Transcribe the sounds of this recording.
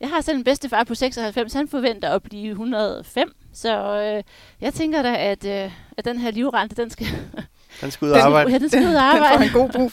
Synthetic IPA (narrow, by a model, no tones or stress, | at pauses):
jɑ̈ɪhɑ̈sel̰mnb̥esd̥əfɑ̈ːpʰɒ̽seɡ̥sɒ̽hælfem̰shænfɒ̽ʋen̰d̥ɐɒb̥liːɦunʁɐðˠɒfem̰sɒ̽ø | jɑ̈ɪt͡sʰeŋɡ̥ɐɾɑ̈ɪæd̥øæd̥enɦeɐ̰liʊʁɑ̈nd̥əd̥ensɡ̥æ | d̥ensɡ̥uðˠːbɑ̈ɪ̰d̥ensɡuð̩ˠɑ̈ːb̥ɑ̈ɪ̰̥ɡ̥o̝̰b̥ʁṵ